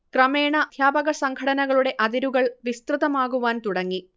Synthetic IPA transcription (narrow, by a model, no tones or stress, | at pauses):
krɐmeːɳɐd̪ʱjaːbɐɣɐsɐŋɡʰʱɐɽɐnɐɣɐɭuɽe̞ʔɐðiɾuɣɐɭʋist̪rɨðɐmaːɣuʋaːnt̪uɽɐŋːi